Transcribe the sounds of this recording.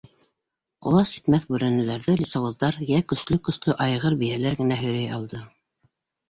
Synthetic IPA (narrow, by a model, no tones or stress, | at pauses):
qŏ̰lˠɑsji̥t̪mæθbʉɾænɘ̆læɾðɘlʲisɑwŏzd̪ɑɾjækɵ̆slɵkɵ̆slɵʔɑjʁɤɾbijælæɾɡɘ̆næɦɵ̆ɾæjɑlˠd̪ɤ